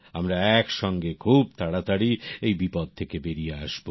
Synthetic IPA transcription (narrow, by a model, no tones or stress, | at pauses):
amɾaɛkʃɔŋɡekʰub̚t̪ʰaɽat̪aɽiejbipod̪̚t̪ʰekebeɾijea̰ʃbo